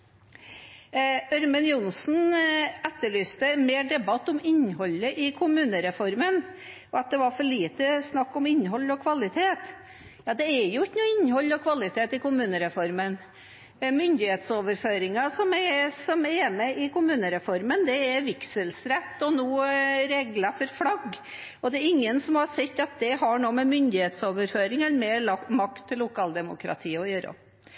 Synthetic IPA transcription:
œɾmɛnjʊnsn̩ɛt̪ːəɭyːst̪ənmeːɖɛbɑt̪ːɔmɪnːhɔlːəʔɪkʰʊmʉːnəɾɛfɔɾmən | ɔɑt̪̚d̪ɛʋɑɾfɔɭiːt̪əsnɑkːɔmɪnːɦɔlːɔkʰʋɑlɪt̪ʰeːt̪ | jɑːd̪ɛɛɾjʊɪknuːɪnːhɔlːɔkʰʋɑlɪt̪ʰeːt̪ɪkʊmʉːnəɾɛfɔɾmən | mʏnd̪ɪheːt̪soːʋəɾføːɾɪŋɑsɔmɛsɔmɛmɛʔɪkʊmʉːnəɾɛfɔɾmənd̪ɛɛɾʋɪksəlsɾɛt̪ːɔnoːɾeːɡləfɔɾflɑɡ | ɔd̪ɛæɾɪŋːənsɔmhɑsɛt̪ːɑt̪̚d̪ɛɦɑɳoːmɛmʏnd̪ɪheːt̪soːʋəɾføːɾɪŋɛləmeːɾɑmɑkt̪ʰːɪlːʊkʰɑːld̪ɛmʊ̰kɾɑ̰t̪ʰiːɔjøːɾə̰

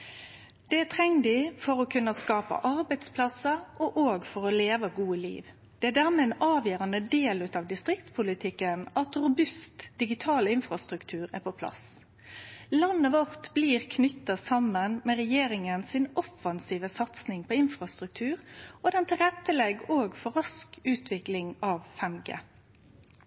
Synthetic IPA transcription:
d̪̥ɛæt̪ʰɛŋd̪ɪfɔʁɔkʰʉnːəskɑːpə̰ʔɑʁbæɪt̪spʰlɑsəʔɔʔoːɡfɔʁɔleːʋəɡuːəlḭːʋ | d̪̥ɛæɖæʁmɛɛnɑːʋjøːʁɑnəd̪eːlʉt̪ɑʋd̪ɪst̪ʁɪkt̪spʰʊlɪt̪ʰɪkːənʔɑt̪ʁʊbʉst̪d̪̥ɪɡɪt̪ʰɑːlɪnfʁɑst̪ʁʉkt̪ʰʉːʁæ̰pʰɔpʰlɑ̰s | lɑnːəʋɔʁt̪bliːʁkʰnʏt̪ːɑsɑmənmɛːʁɛjeːɾɪŋənsɪnʔɔfɑnsiːʋəsɑt̪snɪŋpʰɔːɪnfʁɑst̪ʁʉk̚t̪ʰʉːʁɔd̪ɛnt̪ɪlʁɛt̪ːəlɛɡːoːɡfɔʁɑskʉːt̪ʰʋɪklɪŋɑʋfɛmɡə̰ː

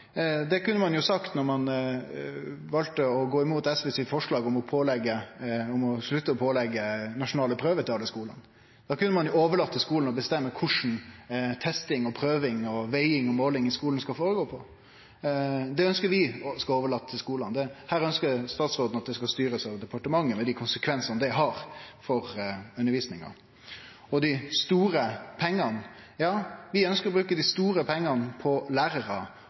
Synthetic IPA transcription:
d̪ɛkʉnːəmɑnjʊsɑkt̪nɔɾmɑn | ʋɑlt̪əɔɡoːɪmuːt̪ɛsʋɛsɪt̪fɔʂɭɑːɡɔmɔpʰoːlɛɡːəɔmɔʂɭʉt̪ːəɔpʰoːlɛɡːənɑʂʊnɑːləpʰɾøːʋəɾt̪ɪɑlːəskuːlɑ̰n | d̪̥ɑːkʉnːəmɑnjʊoːʋəɭɑt̪ːəlskuːln̩ɔbəst̪ɛmːəkʰʊʂn̩t̪ʰɛst̪ɪŋɔpʰɾøːʋɪŋɔʋɛɪɪŋɔmoːlɪŋɪskuːln̩skɑlfoːɾəɡoːpʰɔ | d̪ɛœnskəɾʋɪskɑoːʋəɭɑt̪ːʰɪskuːlɑnd̪ɛhæːɾœnskəɾst̪ɑːt̪sʁoːd̪nɑt̪̚d̪ɛskɑst̪yːɾəsɑʋd̪ɛpɑʈəmɑŋːəmɛd̪ɪkʰʊnsəkʰʋɛnsɑnd̪ɛɦɑɾfɔɾʉnːəɾʋiːsnɪŋɑ̰ | ɔd̪ɪst̪uːɾəpʰɛŋːɑn | jɑːʋɪœnskəɾɔbɾʉːkəd̪ɪst̪uːɾəpʰɛŋːɑnpʰɔlæːɾəɾɑ

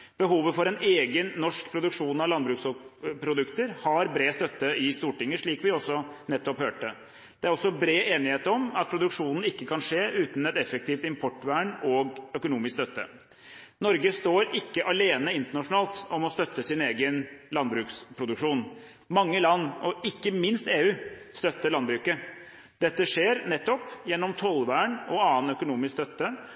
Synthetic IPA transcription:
b̥əɦuːʋəfɔɾɛneːɡənːɔʂkpʰɾʊd̪ʉkʂuːnɑʋlɑnbɾʉːksɔpʰɾʊd̪ʉkt̪əɾhɑɾbɾeːst̪œt̪ːəɪst̪uːʈɪŋːəʂɭiːkʋɪɔsːɔnɛt̪ːɔphøːʈə | d̪̥ɛæɾɔsːɔbɾeːʔeːnɪheːt̪əɾɔmɑt̪̚pʰɾʊd̪ʉkʂuːnn̩ɪkːəkʰɑnʂeːʔʉːt̪n̩ɛt̪ɛfək̚t̪ʰiːft̪ɪmpʰɔʈːʋæːɳɔɡœkʊnuːmɪskst̪œt̪ːə̰ | nɔɾɡəst̪oːɾɪkːəʔɑleːnəɪnt̪əɳɑʂʊnɑːlt̪ɔmɔst̪œt̪ːəsɪneːɡənlɑnbɾʉːkspʰɾʊd̪ʉkʂuːn | mɑŋːəlɑnːɔɪkːəmɪnst̪eːʉːst̪œt̪ːəɭɑnbɾʉːkə | d̪ɛt̪ːəʂeːɾnɛt̪ːɔpjɛnːɔmt̪ʰɔlʋæːɳɔɑːnœkʊnuːmɪskst̪œt̪ːə

